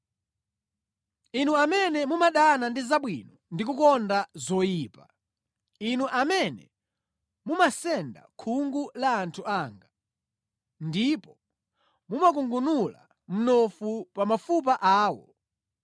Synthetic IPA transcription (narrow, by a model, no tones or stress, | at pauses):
inuamɛnɛmumaɗanandizaɓwḭnɔndikukɔndazɔjiːpa | inuʔamɛnɛ̰ | mumasɛnda̰kʰuŋɡulaːntʰuaːŋɡa | ndipɔ | mumak̬uŋɡunula̰ | m̩nɔfupamafup̬aʔaːwɔ̰